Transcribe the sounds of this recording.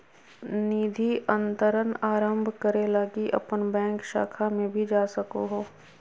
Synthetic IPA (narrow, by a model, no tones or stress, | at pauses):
niːd̪ʱiʔə̃nt̪əɾənaːɾə̃mbʱkəɾelɐɡiʔɐ̰pənbɛ̃ːŋkʃa̰ːkʰamẽbʱid͡ʒaːsɐkoɦoː